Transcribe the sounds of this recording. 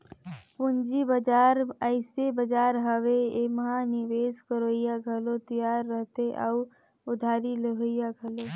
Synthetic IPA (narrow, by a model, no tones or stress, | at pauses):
pʊnd͡ʒibəd͡ʒaːɾəɪsebəd͡ʒaːɾɦəʋeeməɦanɪʋeːskəɾoːɪjaɡʱɐlot̪əjaːɾːəɦt̪eʔəu | ʊd̪ʱaːɾiləɦoɪjaɡʱɐloː